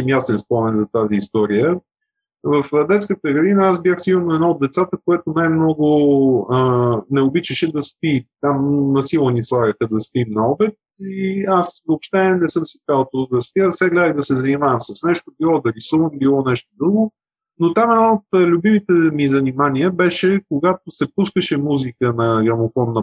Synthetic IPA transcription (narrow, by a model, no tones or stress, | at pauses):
mjasɛnspɔmɛnzɐt̪aziːst̪ɔɾijə | vəfd̪ɛt̪skət̪əɡɐd̪inəaz̬bjaxsimnɛd̪nɔod̪̚ːɛt̪sat̪əkojɛt̪onajmnɔɡʊənɛobit͡ʃəʃɛd̪ɐspit̪amnɐsilˠənislˠaɡəxəd̪ɐspimnɐɔbɛt̪̚iasvoopʃt̪ɛnɛsɤmsit̪alˠət̪od̪ɐspjasɛɡlʲɛd̪əjd̪ɐsɛzɐnimavəmsɐsnɛʃt̪obilˠɔd̪ɐɾisuvəmbilˠɔnɛʃt̪od̪ɾuɡʊ | not̪amɛd̪nɔot̪lʲʊbimit̪ɛmizɐnimaniəbɛʃɛkoɡat̪osɛpuskəʃɛmuzikənɐɡɐmofɔnːɐ